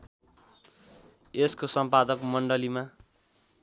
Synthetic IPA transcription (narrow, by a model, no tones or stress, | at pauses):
eskosʌmpad̪ʌkmʌɳɖʌlima